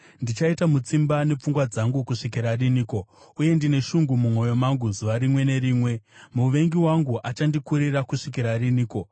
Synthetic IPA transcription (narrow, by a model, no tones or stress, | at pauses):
ndit͡ʃaitamut͡simbane̞p͡fuŋɡwad͡zaŋɡukuʂik̬iɾariniːko̞ | uje̞ndine̞ʃuŋɡumumo̞jo̞maŋɡuzuʋaɾimwe̞ne̞ɾiːmwe̞muʋe̞ŋɡiwaŋɡuʔat͡ʃandikuɾirakuʂik̬iɾariniːko̞